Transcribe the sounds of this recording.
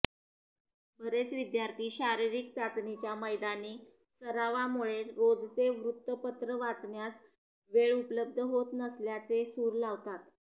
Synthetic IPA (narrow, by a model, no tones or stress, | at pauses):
bʱəɾet͡sʋid̪jaɾt̪ʰiːɕaɾiɾikt͡sat͡snit͡ɕjaməjd̪aniː | səɾaʋamuɭeɾod͡zt͡seʋɾut̪ːəpət̪ɾəʋat͡snjas | ʋeɭupələb̚d̪ʱəɦot̪nəsljat͡sesuːɾlaʋt̪at̪